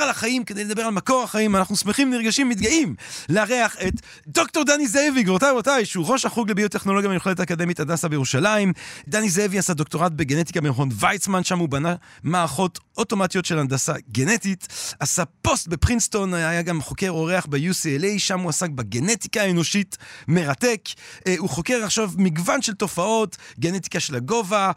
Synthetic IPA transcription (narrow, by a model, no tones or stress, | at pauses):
alaχaimkede̞jled̪abe̞ʁalmako̞ʁaχaimanaχnusmeχimniʁɡaʃimːitɡaimleaʁeaχe̞t | do̞k̚to̞ʁd̪anizeeviɡʁotajmatajʃeuʁo̞ʃaχuɡlebiuteχno̞lo̞ɡjamejuχleletakad̪e̞mitandasabejeʁuʃalaimd̪anizeeviasad̪o̞k̚toʁat̚beɡenet̪i̥kabenχonvajsmanʃamubanamaːʁaχo̞toto̞matijo̞tʃelandasaɡenetitasapo̞st̚be̞pʁinsto̞najaɡamχo̞ke̞ʁo̞ʁe̞aχbejusielejʃamuasak̚baɡeneti̥kaːeno̞ʃitme̞ʁatekuχo̞keʁaχʃavmiɡvanʃe̞lto̞fao̞tɡe̞net̪i̥kaʃelaɡo̞va